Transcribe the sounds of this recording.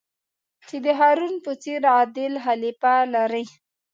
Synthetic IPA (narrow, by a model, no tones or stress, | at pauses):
t͡ʃed̪əɦɑɾunpət͡seɾɑd̪ɪlɦalipalaɾəj